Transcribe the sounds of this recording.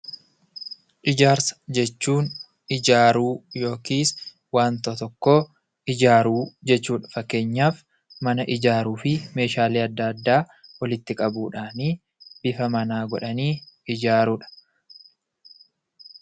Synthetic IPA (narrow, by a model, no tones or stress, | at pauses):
ʔɪd͡ʒaːɾsɐ̥d͡ʒɛt͡ʃːuːn | ɪd͡ʒaːɾuːjo̞ːkiːs | waːnt̪oːt̪ɔkːoː | ɪd͡ʒaːɾuːd͡ʒɛt͡ʃːuːᶑɐ̥fɐkːe̞ːɲːaːf | mɐnɐʔɪd͡ʒaːɾuːfɪme̞ːʃaːliːɐd̪ːɐd̪ːaː | wɐlɪt̪ːɪkʼɐbuːᶑaːniː | b̥ɪfɐmɐnaːɡɔᶑɐniːɪd͡ʒaːɾuᶑɐ̥